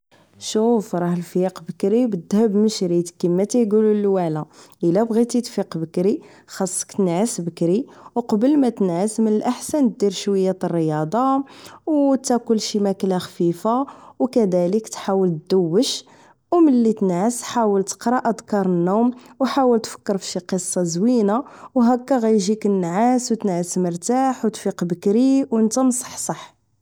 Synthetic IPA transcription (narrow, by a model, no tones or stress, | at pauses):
ʃufɾˤɑhəlfiqbəkɾibəd̪ːhəbməʃɾit̪kimːæt̪æjɡululwaʕlæʔəlæbɣit̪it̪fiqbəkɾi | xɑsˤːə̥kt̪ənʕəsbəkɾiwqɑbəlmæt̪ənʕəsmənəlʔaħsænt̪̚d̪iɾʃwəjːæt̪ərːəjɑd̪ˤɑwt̪ːækʊlːʃimæklæxfifawkæd̪æləkt̪ħawəlt̪̚d̪əwːəʃ | wməlːit̪ənʕəsħawəlt̪ə̥qɾˤɑʔəd̪kɑɾˤənːumwħawəlt̪fə̥kːəɾfʃiqəsˤːɑzwinawɦækːæɣæjʒikənːʕaswt̪ənʕəsməɾt̪aħwt̪fiqbəkɾiwənt̪æmsˤɑ̥ħsˤɑħ